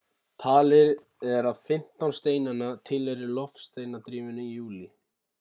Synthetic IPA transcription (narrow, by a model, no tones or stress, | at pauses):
t̪ʰaːlɪɾ | ɛɾaðfɪm̥t̪awnst̪eːjnanːat̪ʰɪleɾɪlɔfst̪ejnat̪ɾiːvʏnʏjuːli